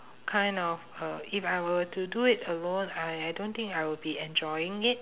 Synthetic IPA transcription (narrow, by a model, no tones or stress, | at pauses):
kʰãɪ̃ndɔfʌifajwətuduɪtəlõnaɪajdõnt̪ɪ̃ŋkaɪwɪbiɛ̃nd͡ʒɔɪɪ̃ŋɪt̚